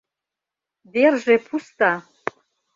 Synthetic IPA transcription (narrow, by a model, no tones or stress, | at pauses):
derʒepʰust̪a